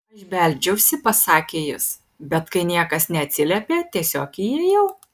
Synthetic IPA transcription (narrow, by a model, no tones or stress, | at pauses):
ɐʒʲbʲɛlʲd͡ʒʲɛʊsʲɪpɐsɑːkʲeːjʊs | bʲɛt̪kɐɪnʲiɛkɐsnʲɛɐt̪ʲsʲɪlʲɛpʲeːt̪ʲiɛsʲoːkɪjejɛʊ